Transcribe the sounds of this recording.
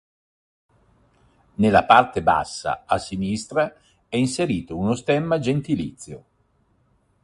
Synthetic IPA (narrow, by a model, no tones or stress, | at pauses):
nelːapart̪eba̰sːa̰asːinist̪ɾa | ɛinseɾiːt̪ounost̪ɛmːad͡ʒent̪ilḭt̪sːjo